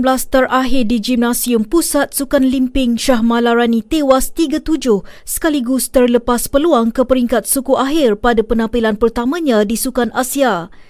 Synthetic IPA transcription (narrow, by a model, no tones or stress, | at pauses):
blast̪əraɦɪrdid͡ʒimnasiumpusat̪̚sukanlimpɪŋʃaɦmãlaɾanĩt̪ewast̪iɡat̪ud͡ʒʊhsə̥kaliɡust̪ərləpaspəluaŋkəpəɾiŋkat̪̚sukuʔaɦɪrpadapənãpilanpərt̪amãɲãdisukanasia